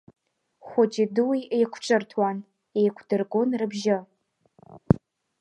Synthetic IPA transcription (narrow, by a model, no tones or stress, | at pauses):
χʷʊd͡ʒɪdɨwiejkʷʰʈ͡ʂʼɨrtʰwan | ejkʷʰdɨrɡʷonrɨbʒɪ